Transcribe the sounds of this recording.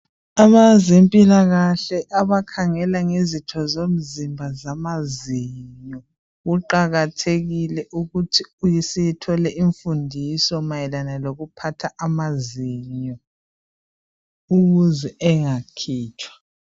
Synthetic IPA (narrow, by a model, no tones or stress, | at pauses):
amazempʼilaɣaɬɛʔaβakʰaŋɛlaŋezitʰɔzom̩zimbʱazamaziɲɔ | ɣuǃaɣatʰeɣilɛʔuɣutʰiujɛsɛjɛtʰɔlɛʔiɱfundʱisɔmajɛlanaloɣupʰatʰaʔamaziɲɔ | uɣuzɛʔɛŋakʰiːt͡ʃʰwḁ